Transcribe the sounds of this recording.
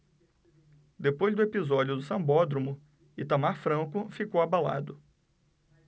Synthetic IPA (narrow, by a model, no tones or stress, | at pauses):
d̪epojzd̪ʊepizɔd͡ʒʊd̪ʊsɐ̃bɔd̪ɾomʊ | ɪt̪amaɾfɾɐ̃kʊfikowabala̰d̪ʊ